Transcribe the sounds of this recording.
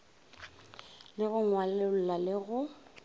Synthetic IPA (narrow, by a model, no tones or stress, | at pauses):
lɪɣʊŋwalɛl̩lalɪɣʊ